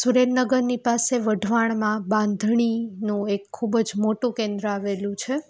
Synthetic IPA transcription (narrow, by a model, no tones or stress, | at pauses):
suɾenːəɡəɾnipaseʋəɖʱʋaɳ̃mãbãnd̪ʱɳ̃inũekʰːubəd͡ʒmoʈũkẽnd̪ɾəaʋelũt͡ʃʰe